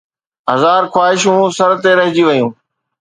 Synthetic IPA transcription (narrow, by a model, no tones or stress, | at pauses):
ɦɐzaːɾxwaːɦɪʃũːsɐɾt̪eɾɐɦɪd͡ʑiʋɐjũː